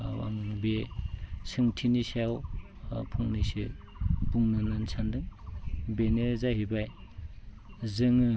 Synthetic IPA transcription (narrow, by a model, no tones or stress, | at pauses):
wa̰ŋbe | sɯŋtʰinisaw | pʰuŋnisi | buŋnɯnɯnsʰandɯŋbenɯzajɦibaj | zɯŋɯ